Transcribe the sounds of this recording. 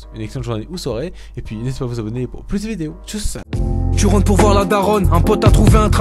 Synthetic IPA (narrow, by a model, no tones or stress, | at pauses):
ynɛksẽt̪ʒuʁnaeʔuswɔʁe | epɥinɛse̥pavuzabɔnepṵʁplyzd̪əvid̪eot̪ussa̰t̪yʁɑ̃d̪̚puʁvwaʁlad̪aʁɔnɛ̃pɔt̪at̪χuveɛ̃t̪χa